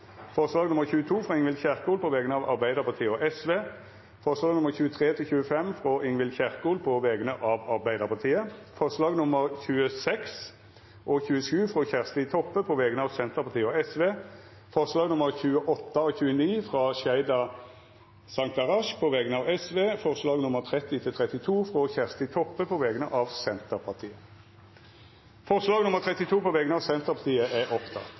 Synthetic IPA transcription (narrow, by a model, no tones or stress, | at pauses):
fɔʁʂlɑːɡnʊməʁçʉːət̪ʰuːfʁɑːɪŋʋɪlçæʁkuːlpʰɔʋɛːɡənəɑʋɑ̰ʁbæɪd̪əʁpɑʁt̪ʰiːəɔʔɛsʋeː | fɔʁʂlɑːɡnʊməʁçʉːət̪ʰʁeːt̪ʰɪlçʉːəfɛmfʁɔʔɪŋʋɪlçæʁkuːlpʰɔʋɛːɡənəʔɑːʋɑʁbæɪd̪əʁpʰɑʁt̪ʰiːəfɔʁʂlɑːɡnʊməʁçʉːəsɛks | ʔɔçʉːəʃʉːfʁɔçæʁst̪iːt̪ʰɔpːəpʰɔʋɛːɡənəɑːʋsɛnt̪əʁpʰɑʁt̪ʰiːəɔɛsʋeː | fɔʁslɑːɡnʊməʁçʉːəʔɔt̪ːəɔːçʉːəniːfʁɑːʃæɪd̪ɑ | sɑŋk̚t̪ɑʁɑʃpʰɔʋɛɡənəɑːʋɛsʋeːfɔʁslɑːɡnʊməʁt̪ʰʁɛt̪ːɪt̪ʰɪlt̪ʰʁɛt̪ɪt̪ʰuːfʁɔçæʁst̪ɪt̪ʰɔpːəpʰɔʋɛːɡənəʔɑːʋsɛnt̪əʁpʰɑʁt̪ʰiːə | fɔʁslɑːɡnʊməʁt̪ʰʁɛt̪ɪt̪ʰuːpʰɔʋɛːɡənəɑːʋsɛnt̪əʁpʰɑt̪ʰiːəʔæʔɔpt̪ʰɑ̰t̪